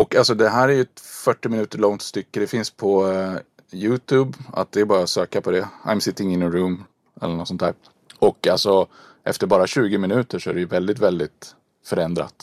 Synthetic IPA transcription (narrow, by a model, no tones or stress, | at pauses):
ɔkːalsɔd̪ɛɦæːɾæɾjɵɛt̪fœʈːɪmɪnʉ̟ːt̪əɭɔŋt̪st̪ʏkːəd̪ɛfɪnspʰɔ | jʉːt̪ʰʉːba̰t̪̚d̪ɛːbɑːɾasøːkapʰɔd̪ɛa̰ɪjmsɪt̪ːɪŋɪnəɾʉːm | ɛ̰lːənɔt̪sɔnt̪ʰæ̰ːɾ | ɔkːalsɔ | ʔɛ̰ft̪əɾbɑːɾaɕʉ̟ːɡɪmɪnʉ̟ːt̪əʂɔæɾɛjɵvɛld̪ɪt̪vɛld̪ɪt̪ | fœɾɛnd̪ɾa̰t̪